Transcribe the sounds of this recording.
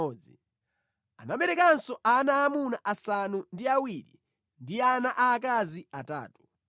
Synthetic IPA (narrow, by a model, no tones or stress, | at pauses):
ɔːd͡zi | a̰naɓɛɾɛkansɔʔanaːmunaʔasanundiawiɾḭ | ndianaʔaːk̬aziata̰ːtu̥